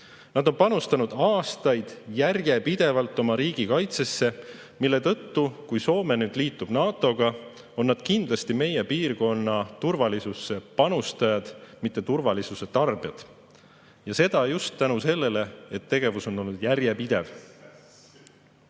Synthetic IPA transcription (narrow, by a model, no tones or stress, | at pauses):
nɑd̪o̞npɑnust̪ɑnud̪̥ɑːst̪ɑjd̪̥jærje̞pid̪̥e̞vɑlt̪ːˑo̞mɑɾiːɡ̥ikɑjt̪se̞sːe̞ | milːe̞t̪ɤ̞t̪ːukujso̞ːme̞nyːd̪̥liːt̪ːˑub̥nɑːt̪ˑo̞ɡ̥ɑ | o̞nːɑd̪̥kind̪lɑst̪ime̞je̞piːrko̞nːɑt̪urvɑlisusːe̞pɑnust̪ɑjɑd̪̥mit̪ːe̞t̪urvɑlisuse̞t̪ɑrb̥ijɑd̪̥ | jɑse̞d̪ɑjust̪ːænuse̞lːe̞le̞et̪ːe̞ɡ̥e̞vuso̞nːo̞lnud̪̥jæɾje̞pid̪̥e̞v